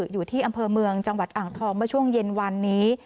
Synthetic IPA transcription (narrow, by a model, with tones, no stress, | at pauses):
juː˨˩t̪ʰiː˥˩ʔa˧mpʰɤː˧mɯ˧əŋt͡ɕa˧ŋwa˨˩t̪̚ʔaː˨˩ŋt̪ʰɔː˧ŋmɯ˥˩t͡ɕʰu˥˩əŋje˧nwa˧nːiː˦˥